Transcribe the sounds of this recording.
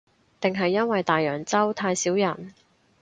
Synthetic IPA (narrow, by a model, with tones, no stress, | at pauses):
t̪ɪ˨ŋɦɐ˨jːɐ˥nwɐ˨jt̪aː˨jœː˨˩ŋt͡sɐ˥wt̪ʰaː˧jsiː˨˥wjɐ˨˩n